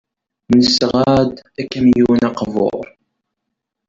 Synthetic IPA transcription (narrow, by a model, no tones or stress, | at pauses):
nəsʁæd̪ækːæmjunɑqvo̰ɾˤ